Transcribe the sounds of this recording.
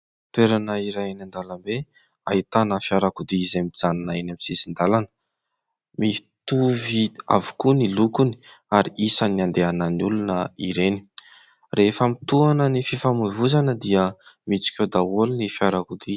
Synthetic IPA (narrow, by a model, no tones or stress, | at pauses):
t̪weɾanəiɾanand̪alambe | a̰it̪anəfiaɾakud̪iizamid͡zananaenamisizind̪alanə | mi | t̪uvia̰vu̥kunilukuni̥ | aɾiʔisəniand̪eananulunəiɾeni̥ | refəmit̪uanənififamuvuzanəd̪iəmit͡si̥kʲed̪awolinifiaɾakud̪i